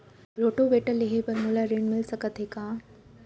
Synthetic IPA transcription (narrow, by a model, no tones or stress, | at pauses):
bɾoːʈoʋeːʈəleɦepɐɾmulaɾeːɳmɪlsəkət̪ɦekaː